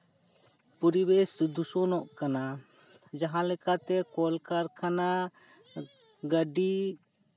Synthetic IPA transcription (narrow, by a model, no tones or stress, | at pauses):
pɔɾibesd̪usɔnɔʔkana | d͡ʒaɦãlɛkat̪ɛkɔlkaɾkʰana | ɡəɖi